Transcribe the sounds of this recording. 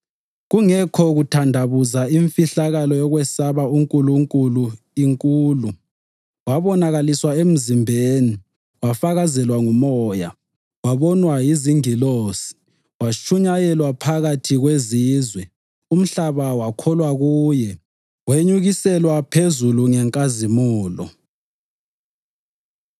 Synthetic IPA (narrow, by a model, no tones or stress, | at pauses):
ɣuŋɛkʰɔɣutʰandʱaβuzaiɱfiɬaɣalɔjɔɣwɛsaβauŋkʼuluŋkʼulu | iŋkʼuːlu | waβɔnaɣaliswaem̩zimbʱeːni | wafaɣazɛlwaŋumɔːja̰ | waβɔnwajiziŋiloːsi̥ | wat͡ʃʰʼuɲajɛlwapʰaɣatʰiɣweziːzwɛ | um̩ɬaβawakʰɔlwaɣuːjɛ | weɲuɣisɛlwapʰezuluŋɛŋkʼazimuːlɔ̰